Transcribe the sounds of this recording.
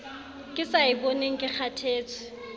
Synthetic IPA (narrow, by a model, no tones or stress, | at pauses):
kʼɪsaɪbɔneŋ̩kʼɪk͡xʰatʰeːt͡sʰɪ̥